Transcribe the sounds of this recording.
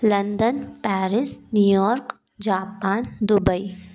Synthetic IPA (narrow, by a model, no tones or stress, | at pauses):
lɐ̃nd̪ənpɛːɾɪsnuːjɔːɾk | d͡ʒaːpaːnd̪ʊbəi